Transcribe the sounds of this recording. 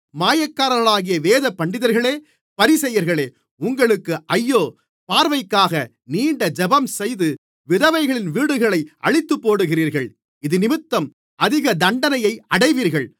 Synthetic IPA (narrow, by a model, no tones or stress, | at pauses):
maːjɐkːaːɾɐɐɭaːɣɪjɐʋeːðɐpːɐɳɖɪðɐɾɣɐɭeː | pɐɾɪsɛjːɐɾɣɐɭeː | ʊŋɡɐɭɯkːɯʔɐjːoː | paːɾʋɐɪkːaːɣɐ | niːɳɖɐd͡ʒɐbɐmsɛjðɯ | ʋɪðɐʋɐɪɣɐɭɪnʋiːɽɯɣɐɭɐɪʔɐ̰ɻɪt̪ːɯpːoːɽɯɣɪriːɾɣɐɭ | ɪðɯnɪmɯt̪ːɐm | ʔɐðɪɣɐd̪ɐɳɖɐnɐjɐɪɐɽɐɪʋiːɾɣɐɭ